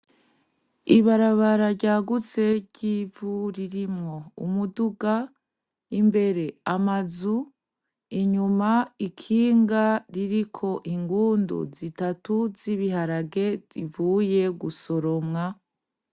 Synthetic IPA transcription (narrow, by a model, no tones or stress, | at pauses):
iβaɾaβaɾaɾɟaːɡut͡se̞ɾɟivuɾiɾimŋo̞ṵmuduɡa | imbe̞ɾe̞amazu | iɲumaikʰiːŋɡaɾiɾikʰo̞ʔiŋɡuːndo̰zitatuziβiɦaɾaɡe̞zivuːje̞ɡuso̞ɾo̞mŋa